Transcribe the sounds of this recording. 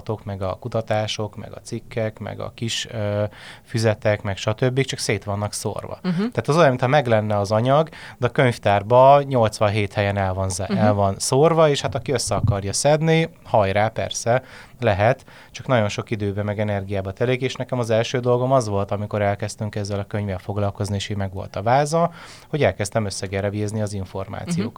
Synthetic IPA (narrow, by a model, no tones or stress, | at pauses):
t̪o̞kmɛɡɒkut̪ɒt̪aːʃo̞kmɛ̰ɡɒ̰t̪sikːɛkmɛ̰ɡɒ̰kiʃøːfyzɛt̪ɛkmɛkʃɒt̪øbːik̚t͡ʃɒkseːt̪ʋɒnːɒkso̰rvɒ̰t̪ɛːt̪ɒzojminhɒmɛɡlɛnːɛɒzɒɲɒɡd̪ɛɒkø̞ɲft̪aːrbɒɲo̞lt̪sʋɒnɦeːt̪hɛjɛnɛlvɒnzɛlvɒnsorvɒeːʃhat̪ɒkiøsːɛɒkɒrjɒsɛd̪nihɒjɾaːpɛ̰rsɛ | lɛɦɛt̪ | t͡ʃɒknɒɟo̞nʃo̞kid̪øːbɛmɛɡɛnɛrɡijaːbɒt̪ɛleːkeːʃnɛkɛmɒzɛlʃøːd̪o̞lɡo̞mɒzʋo̞lt̪ɒmiko̞ɾɛlkɛst̪yŋkɛzːɛlɒkøɲvɛlfo̞ɡlɒlko̞znieːʃiːmɛɡʋo̞̰lt̪ɒvaːzɒ | ho̞ɟɛlkɛst̪ɛmø̞sːɛɡɛɾɛvezniɒziɱfo̞rma̰ːt̪sijoːk